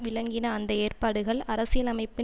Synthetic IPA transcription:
ʋɪlɐŋɡɪnɐːnd̪ɐeːrpaːɽɯɣɐɭɐɾɐsɪjɐlɐmɐɪpːɪ

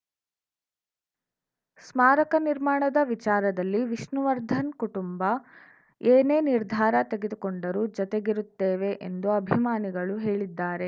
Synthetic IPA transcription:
smaːɾɐkɐniɾmaːɳɐd̪ɐʋit͡ʃaːɾɐd̪ɐlːiʋiʃnuʋɐɾd̪ʱɐnkuʈumbɐ | eːneːniɾd̪ʱaːɾɐt̪e̞ɡed̪ukoɳɖɐɾuːd͡ʒɔt̪eɡiɾut̪ːeːʋe̞ʔend̪uɐbʱimaːniɡɐɭuɦeːɭid̪ːaːɾe̞

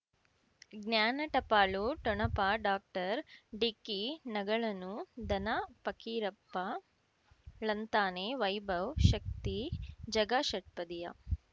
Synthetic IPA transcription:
ɡnjaːnɐʈɐpaːɭuʈɔɳɐpaːɖaːk̚ʈɐɾɖikinɐɡɐɭɐnud̪ɐnɐpɐkiːɾɐpːɐ | lɐnt̪aːneːʋɐjbʱɐwʃɐk̚t̪id͡ʒɐɡaʃɐʈ̚pɐd̪ijɐ̰

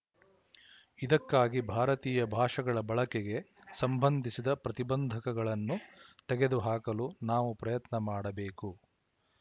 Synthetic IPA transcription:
id̪ɐkːaːɡibʱaːɾɐt̪iːjɐbʱaːʂɐɡɐɭɐbɐɭɐkeɡe̞sɐmbʱɐnd̪ʱisid̪ɐpɾɐt̪ibɐnd̪ʱɐkɐɡɐɭɐnːut̪ɛɡe̞d̪uɦaːkɐlunaːʋupɾɐjɐt̪nɐmaːɽɐbeːku

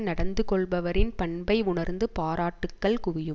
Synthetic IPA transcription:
nɐɽɐnd̪ɯkɔɭbɐʋɐɾɪnpɐɳbɐɪʊɳɐɾnd̪ɯpaːɾaːʈːɯkːɐɭkʊʋɪjɯ

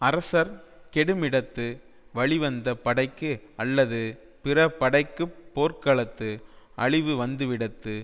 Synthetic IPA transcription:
ɐɾɐsɐɾ | kɛɽɯmɪɽɐt̪ːɯ | ʋɐɭɪʋɐnd̪ɐpɐɽɐɪkːɯɐlːɐðɯ | pɪrɐpːɐɽɐɪkːɯpːoːrkɐɭɐt̪ːɯɐ̰ɭɪʋɯʋɐnd̪ɯʋɪɽɐt̪ːɯ

